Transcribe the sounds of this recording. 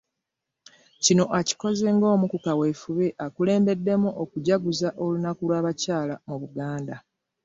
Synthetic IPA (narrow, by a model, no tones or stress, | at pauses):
cino̞ʔaci̥ko̞ze̞ŋɡo̞ːmukukawe̞fuβeʔakule̞ːmbe̞dːe̞muʔokuɟaɡuzaʔo̞lunakulwaːβacaːlamuβuɡaːnda